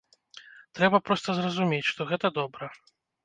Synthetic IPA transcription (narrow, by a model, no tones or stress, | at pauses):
t̪ɾɛbɐpɾɔst̪ɐzrɐzumʲet͡sʲʂt̪ɔɣɛt̪ɐd̪ɔbɾɐ